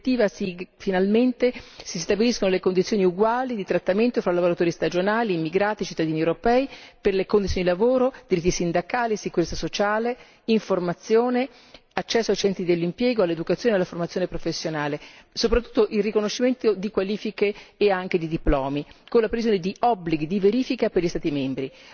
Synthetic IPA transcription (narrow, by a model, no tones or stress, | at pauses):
t̪ːiːvasifinalment̪esist̪abiliskonolekond̪it̪sjoːniuɡwaːlid̪it̪ɾat̪ːament̪ofɾalavoɾat̪oːɾist̪ad͡ʒonaːliːmːiɡɾaːt̪it͡ʃit̪ːad̪iːniewɾopɛːiperlekond̪it̪jonid̪ilavoːɾod̪iɾit̪ːisind̪akaːlisikuɾet̪sasot͡ʃaːle | iɱformat̪sːjoːne | at͡ʃːɛsːoajt͡ʃɛnt̪ɾid̪elːimpjɛːɡoalːed̪ukat̪sjoːnealaformat̪sːjonepɾofesːjonaːle | sop̬ɾat̪ːu̥t̪ːoʔilrikonoʃːiment̪od̪ikwaliːfikeːaŋk̟ed̪id̪iplɔːmikonlapɾevizjoned̪iɔbːliɡid̪iveɾiːfikaperlʎist̪aːt̪imembɾi